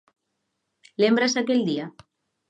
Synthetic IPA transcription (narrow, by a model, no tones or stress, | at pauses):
lembɾasakeld̪ia